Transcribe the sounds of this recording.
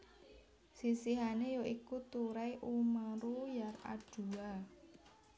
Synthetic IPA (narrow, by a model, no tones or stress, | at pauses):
sisiɦanejoʔikut̪uɾajʔumaɾujara̰ɖ̥ṳa